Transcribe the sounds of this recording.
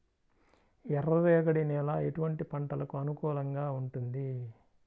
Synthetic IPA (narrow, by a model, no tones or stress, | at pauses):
ɛɾɐʋɛːɡɐɽinɛːlaːe̞ʈuʋɐɳʈipɐɳʈɐlɐkuɐnukɔːlɐŋɡaːuɳʈund̪i